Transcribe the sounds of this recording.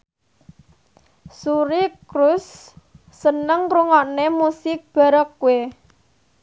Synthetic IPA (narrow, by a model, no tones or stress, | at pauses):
suɾikɾusː | ənəŋɾuŋɔʔnemusɪk̚b̥a̤ɾɔkue